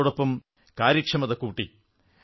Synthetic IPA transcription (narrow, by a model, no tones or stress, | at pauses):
oɽopːɐm | kaːɾjɐkʂɐmɐðɐkːuːʈːi